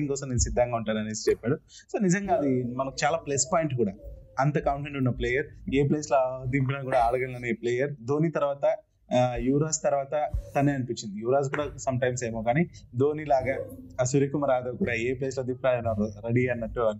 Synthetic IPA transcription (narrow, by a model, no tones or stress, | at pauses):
iŋkɔːsɐmnenusid̪ʱːɐŋɡaːuɳʈaːnɐneːsit͡ʃɛpːaːɽuso̞ːnid͡ʒɐŋɡaːɐd̪imɐnɐkut͡ʃaːlaːplespaːjiɳʈkuːɽaːɐnt̪ɐkɐwɳʈeɳɖunːɐpleːjɐɾeːp̬leːslod̪imp̬ilɐnkuːɽaːɽɐɡɐnlɐneːpleːjɐɾd̪o̞ːniːt̪ɐɾʋaːt̪ɐ | juːɾaːst̪ɐɾʋaːt̪ɐt̪ɐneːɐnipiɲt͡ʃːind̪ijuːɾaːs̬kuːɽaːsɐmʈɐjmse̞ːmoːkaːnid̪o̞ːniːlaːɡɐsuɾikumɐɾaːd̪ɐkuːɽaːeːpleːslod̪impilaːɐnɐɾeɽiɐnːɐʈːuɐ